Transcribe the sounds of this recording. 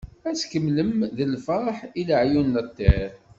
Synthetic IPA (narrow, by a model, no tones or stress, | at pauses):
æt͡skəmləmðəlfəɾˤħiləʕjunːət̪ˤːeɾ